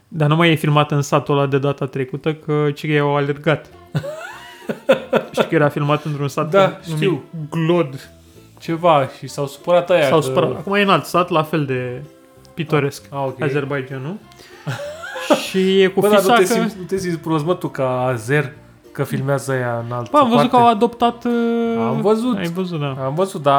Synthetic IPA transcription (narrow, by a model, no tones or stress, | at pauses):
d̪anumajefilmat̪ɨnsat̪olad̪e̞d̪at̪at̪ɾe̞kut̪əkʰət͡ʃikeawalerɡat̪ | ʃi̥kəjeɾafilmat̪ɨnt̪ɾunsat̪d̪aʃutmiiwɡlod̪ | t͡ʃe̞vaʃisawsu̥pəɾat̪ajasawsuəɾat̪akumajenalt̪sat̪lafe̞ld̪e̞ | pit̪o̞ɾe̞skaokʲeaze̞rbajd͡ʒanu | ʃijekubəd̪iaaekinut̪esimspɾozmət̪ukaːzer | kəfilmeazəajaɨnalt̪əaamvəzut̪kəawad̪o̞pt̪at̪amvəzut̪ajvəzut̪̚d̪aamvəzut̪̚d̪a